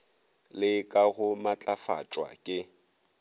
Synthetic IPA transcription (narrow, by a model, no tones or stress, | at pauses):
lɪkʼaɣʊmat͡ɬʼafa̰t͡ʃʼwa̰kʼɪ